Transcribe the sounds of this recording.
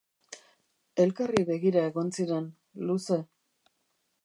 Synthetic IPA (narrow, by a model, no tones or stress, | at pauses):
e̞lkariβe̞ɣiɾae̞ɣo̞nsiɾe̞n | luse̞